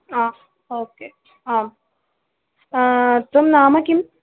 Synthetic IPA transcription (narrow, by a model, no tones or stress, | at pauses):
aː | oːkeː | aːm | t̪omnaːmɐkim